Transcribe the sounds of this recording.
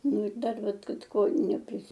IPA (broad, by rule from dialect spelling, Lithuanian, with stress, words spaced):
ˈnʊ ɪr ˈdɐr ˈʋɐt ˈkɐt ˈkoː nʲɛpʲrʲɪsʲɪ